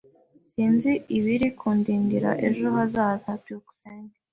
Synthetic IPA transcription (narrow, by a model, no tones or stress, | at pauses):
siːnziiβiɾikʰuːndiːŋɡiɾa̰ʔe̞ʒo̞hazaːzatioɡu̥seːŋɡe